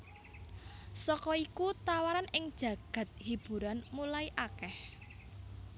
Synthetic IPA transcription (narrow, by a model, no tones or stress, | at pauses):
sɔkɔikut̪awaɾanɪŋd̥ʒ̥ä̤ɡ̥ä̤t̪̚hib̥ṳɾanmulaiʔakɛh